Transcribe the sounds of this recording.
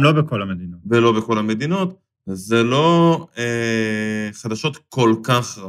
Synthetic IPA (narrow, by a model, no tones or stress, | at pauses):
mlo̞bekolamed̪inovelo̞beko̞lame̞d̪ino̞t̪ | zelo̞e | χad̪aʃo̞t̪ko̞lkaχʁa